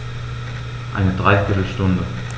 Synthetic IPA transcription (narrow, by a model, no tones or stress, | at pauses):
ʔa̰ɪnədʁaɪfɪtl̩ʃtʊndə